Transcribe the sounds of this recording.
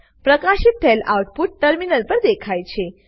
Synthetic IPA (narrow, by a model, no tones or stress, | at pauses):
pɾəkaɕit̪̚t̪ʰelawʈ̚puʈ̚ːəɾminəlpəɾd̪ekʰajt͡ɕʰe